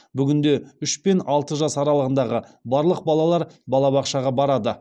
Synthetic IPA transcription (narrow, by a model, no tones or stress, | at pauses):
bʏɡʲɪnd̪e̞ʏʃpe̞nɑlˠt̪əʒɑsɑɾɑlˠəʁənd̪ɑʁəbɑɾlˠəq̚bɑlˠɑlˠɑɾbɑlˠɑbɑqʃɑʁɑbɑɾɑd̪ə